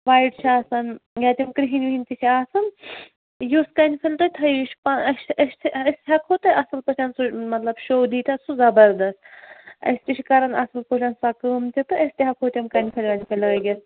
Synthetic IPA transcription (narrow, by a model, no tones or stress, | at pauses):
ʋaːjiʈt͡ʃʰaːsɐnjʲaːt̪ʲimkɾiɦinʲʋiɦinʲt̪iʃʰiaːsɐn | joskɐnʲfʰɐlt̪ot̪ʰɐjuʃpaɐʃɐʃʲt̪ʰɐsʲt̪ʲɦɐkʰhoːt̪ɨʔɐsɨlpɐʃɐnsumɐt̪lɐbʃoːd̪iːt̪ʲasuzɐbɐɾd̪ɐst̪ɐ̰sʲt̪ʲiʃʲikɐɾɐnɐsɨlpoʃʰɐnsɐkɨːmt̪ʲit̪ɨʔɐsʲt̪ʲiɦɐkʰoːt̪ʲɐmkɐnʲpʰɐlʲʋɐnʲfʰʲɐlʲɐɐɡʲɐs